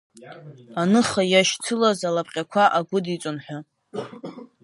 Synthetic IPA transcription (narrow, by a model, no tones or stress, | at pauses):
anɨχajaʃt͡sʰɨlazalapʼqʲʼakʷʰaʔaɡʷʊdit͡sʷʼʊnħʷᶣa